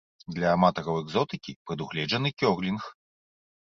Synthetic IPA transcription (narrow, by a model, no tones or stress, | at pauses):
d̪lʲɐːmat̪ɐɾɐwɛɡzɔt̪ɨkʲipɾɨd̪uɣlʲɛd͡ʐɐnɨkʲɔrlʲinx